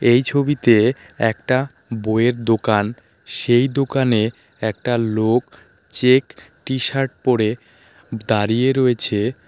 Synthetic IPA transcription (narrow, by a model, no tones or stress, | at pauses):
ejt͡ɕʰobit̪e | ɛ̰kʈa | boeɾd̪okan | ʃejd̪okane | ɛk̚ʈalok | t͡ɕekʈiʃaɾʈ̚poɾe | d̪aɾijeɾoet͡ɕʰe